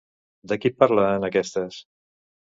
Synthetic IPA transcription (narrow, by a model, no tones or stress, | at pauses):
d̪əkipaɾlaənakɛst̪əs